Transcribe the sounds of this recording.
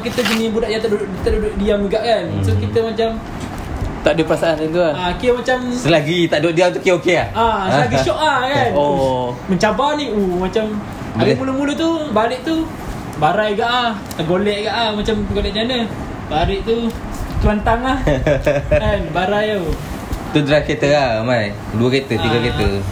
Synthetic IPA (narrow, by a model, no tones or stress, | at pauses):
kit̪əd͡ʒənibudaʔjat̪aʔdudʊʔt̪aʔdudʊʔdiaməɡaʔkansokit̪əmat͡ʃam | t̪aʔdəpəɾasaanant̪uaakimat͡ʃamsəlaɡit̪aʔdoʔdiamt̪ukːeokeaasəlaɡiʃɔʔahkanoməɲt͡ʃabaniomat͡ʃam | aɡimulumulut̪ubaɾiʔt̪u | baɾajɡaʔah | t̪aɡolɛʔɡaʔahmat͡ʃamɡolɛʔd͡ʒanə | baɾiʔt̪u | t̪uant̪aŋlah | kanbaɾajo | t̪ud̪ɾaket̪əahmaj | duaket̪ət̪iɡaket̪ə